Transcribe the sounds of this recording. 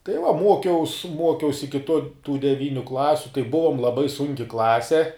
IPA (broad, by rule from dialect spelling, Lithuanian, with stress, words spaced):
tɐɪ ʋɐ ˈmuɔkʲɛʊs ˈmuɔkʲɛʊs ˈɪkʲɪ toː tuː dʲɛˈʋʲiːnʲʊ ˈklˠɑːsʲʊ tɐɪ ˈbʊʋoːm lˠɐˈbɐɪ ˈsʊŋʲkʲɪ ˈklˠɑːsʲɛ